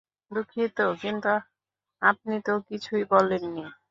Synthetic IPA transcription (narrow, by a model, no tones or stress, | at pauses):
d̪ukʰit̪okint̪u | ap̚nit̪okit͡ɕʰujbɔlːenːi